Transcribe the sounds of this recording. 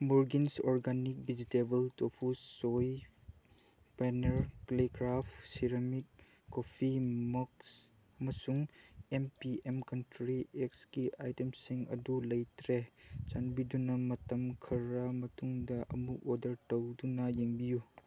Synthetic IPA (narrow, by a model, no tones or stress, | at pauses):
moɾɡinsoɾɡanik̚bid͡ʒitebɐltopʰusoj | paneɾklekɾapʰsiɾɐmik̚ː | opʰimɐks | ɐmɐsuŋempiemkɐntɾiek̚sɡiʔajtemsiŋɐ̰dulɐjtɾet͡ʃanbidunɐmɐtɐmkʰɐɾɐmɐtuŋdɐʔɐ̰muʔodɐɾtɐwdunɐjeŋbiju